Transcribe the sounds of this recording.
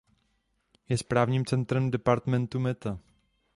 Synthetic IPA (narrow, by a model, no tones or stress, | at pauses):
jɛspɾaːvɲiːmt͡sɛnt̪ɾɛmdɛpaɾt̪mɛnt̪umɛt̪a